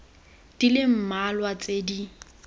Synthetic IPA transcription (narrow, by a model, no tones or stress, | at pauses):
d̥ilɪm̩malwat͡sʼedi